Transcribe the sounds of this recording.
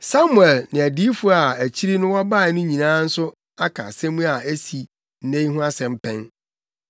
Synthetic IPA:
sa˦mʊ˨ɛ˨lnɪ̃˨æ˨di˦fʊ˦a˨æ˨t͡ɕʰi˦ɾi˦nʊ̃˦wɔ˦ba˦˨nʊ̃˦ɲĩ˨nãː˦n̩˦sʊ˦ | a˦kʰa̰˨sɛ̃˦mũ˦a˨æ˦si˨ | n̩˨nẽ˦jɦʊ̃˦a˦sɛ̃˨m̩˦pʰɛ̃˦n

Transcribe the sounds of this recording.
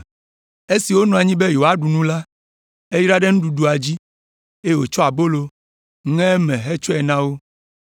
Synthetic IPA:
e˦si˨wo˦nɔ̃˨a˨ɲĩ˦be˦jo˨a˦ɖu˨nũ˦la˦ | e˦ji˦ɾa˦ɖe˦nũ˦ɖu˨ɖu˨a˨d͡ʑi˦ | e˦wo˨t͡ʃɔ˦a˨bo˦lo˨ | ŋɛ̃˦mɛ̃˨ɦɛ˦t͡ʃɔ˦ɛ˨nã˦wo˦

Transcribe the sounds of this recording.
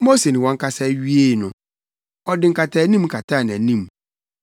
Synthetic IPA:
mo˦se˨nɪ̃˨wɔ̃˦ŋ̩˦kʰa˦sɛ˦ɥi˦e˦˨nʊ̃˨ | ɔ˦dɪ̃˨ŋ̩˦ka˨tʰa˨˦nĩ˦m˦kʰa˨tʰa˦˨ñ˨æ˨nĩ˦˨m

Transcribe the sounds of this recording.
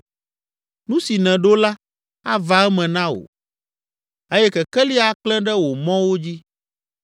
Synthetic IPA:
nũ˦si˨nɛ̃˨ɖo˦la˦ | a˦va˨ɛ˦mɛ̃˨nã˦o̰˨ | e˦jɛ˦kɛ˨kɛ˦li˦a˨k͡plɛ̃˦ɖɛ˦wo˨mɔ̃˦wo˦d͡ʑi˦

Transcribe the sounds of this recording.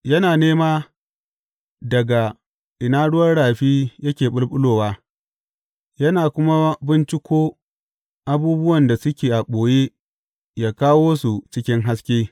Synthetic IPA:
jɐ˦naː˨neː˦maː˦ | dɐ˨ɡa˨ | ʔɪ˨naː˦ɽʊ˦wɐ˦rɽaː˨ɸiː˦jɐ˦kʲeː˨ɓʊ˦lɓʊ˦loː˨waː˦ | jɐ˦naː˨kʷʊ˦ma˦bɪ˦nt͡ʃɪ˦kʷoː˦ | ʔa˨buː˦bʊ˦wɐ˨nda˨sʊ˦kʲeː˨ʔa˨ɓʷoː˨je˦ | jaː˦kaː˦woː˦su˨t͡ʃɪ˦kʲɪ˦ŋɦa˦skʲeː˦

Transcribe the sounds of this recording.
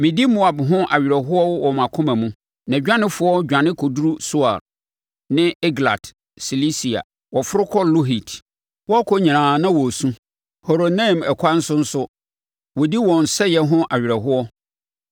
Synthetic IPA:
mɪ̃˨di˦mo˦a˨bɦʊ̃˦ʔa˨ɥɪ˨ɾɛ˨ɦʊ˦ɔ˦wwɔ˨mã˨kʰʊ̃˦mã˨mũ˦ | nã˨d͡ʑᶣã˦nɪ̃˦fʊ˨˦ɔ˦d͡ʑᶣã˨nɪ̃˦kʰɔ˨du˦ɾu˦sʊ˦a̰˨ɾ | nɪ̃˦ɛ˦ɡla̰˨d | si˨li˦si˨a̰˨ | wɔ˨fʊ˦ɾʊ˦kʰɔ˦lo˦ɦi˨tʰ | wɔ˦a˦kʰɔ˦ɲĩ˨ãː˨nã˦wɔ˨sũ˦ | ho˨ɾo˨nã˦˨mɛ˨kʰa˦n̩˦sʊ˦n̩˦sʊ˦ | wɔ˨di˦wɔ̃˨n̩˨sɛ˦jɛ˦ɦʊ̃˦ʔa˨ɥᶣɪ˨ɾɛ˨ɦʊ˦ɔ˦

